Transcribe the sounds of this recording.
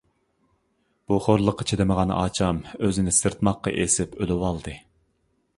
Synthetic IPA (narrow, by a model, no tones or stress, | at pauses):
b̥uχoɾlˠəqːɑt͡ʃʰed̪ɪməʁɑn̰ʔɑ̰ːt͡ʃʰɑmøzɪnɪsɨɾt̪mɑqːɑ̰ʔesɪpølɪwɑlˠd̪ɨ